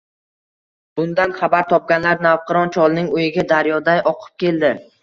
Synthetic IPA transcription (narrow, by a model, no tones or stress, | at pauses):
b̥ʊnd̪anχabaɾt̪ʰɒp̚ɡʲanlaɾnavqɨɾɒnt͡ʃʰɒlˠnɪŋojɪɡʲad̪aɾjɒd̪ajʔɒqʰɨ̥p̚kʲe̞ld̪ɪ